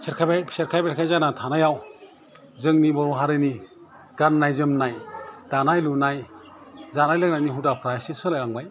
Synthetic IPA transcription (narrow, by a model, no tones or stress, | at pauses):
sʰeɾkʰabaseɾkʰajbeɾkʰajzanatʰanajaw | zɯŋnibɔɾɔɦaɾɯni | ɡ̥annajzɯmnajd̥anajlunaj | zanajlɯk̚najniɦudapʰɾajsisɯlajaŋbaj